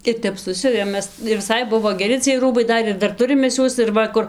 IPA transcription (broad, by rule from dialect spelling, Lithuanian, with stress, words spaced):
ɪr ˈtʲɛp ˈsʊsʲʊʋʲeːm ˈmʲɛs ɪr ʋʲɪˈsɐɪ ˈbʊʋoː ɡʲɛˈrʲɪ t͡sʲiɛj ˈruːbɐɪ ˈdɐr ɪr ˈdɐr ˈtʊrʲɪm ˈmʲɛs ˈjuɔs ɪr ˈʋɐ kʊr